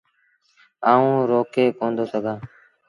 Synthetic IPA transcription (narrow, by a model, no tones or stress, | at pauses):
aːũːɾoːkeːkõːnd̪oːsəɡʱãː